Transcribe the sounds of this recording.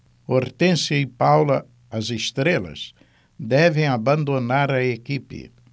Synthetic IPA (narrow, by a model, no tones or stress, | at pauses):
oɾt̪ẽsɐipawlɐ | ɐzest̪ɾelɐ̰z | d̪ɛvẽj̃abɐ̃nd̪onaɾɐekipɪ̰